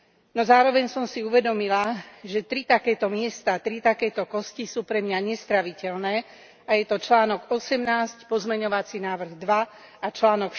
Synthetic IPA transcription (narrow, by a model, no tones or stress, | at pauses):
nɔzaːɾɔʋɛɲsɔmsiuʋɛd̪ɔmilaʒɛt̪ɾit̪akɛːt̪ɔmɪɛst̪aːt̪ɾit̪akɛːt̪ɔkɔscisuːpɾɛmɲaɲɛst̪ɾaʋicɛlnɛː | ajɛt̪ɔt͡ʃlaːnɔɡɔsɛmnaːscpɔzmɛɲɔʋat͡sinaːʋr̩ɣd̪ʋa | at͡ʃlaːnɔk